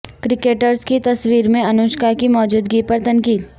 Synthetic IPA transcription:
kɾɪkeːʈəɾzkit̪ɐswiːɾmẽɐnʊːʃkakimɔːd͡ʒuːd̪ɡipɐɾt̪ɐnkiːl

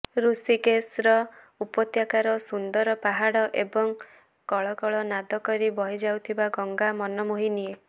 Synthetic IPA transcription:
ɾusikesɾɔ | upɔt̪jakaɾɔsund̪ɔɾɔpaɦaɽɔʔebɔŋ | kɔɭɔkɔɭɔnad̪ɔkɔɾibɔɦid͡ʒawt̪ʰibaɡɔŋɡamɔnɔmoɦinie

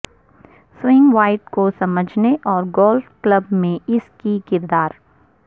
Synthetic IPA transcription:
swɪ̃ŋɡʋaːɪʈkosɐməd͡ʒʱneʔɔːɾɡɔːlfkləbmẽɪskikɪɾd̪aːɾ

